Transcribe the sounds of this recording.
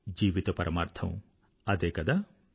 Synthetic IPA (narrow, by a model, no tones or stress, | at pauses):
d͡ʒiːʋit̪ɐpɐɾʔɐmaːɾt̪ʰɐ̃w̃ | ɐd̪eːkɐd̪a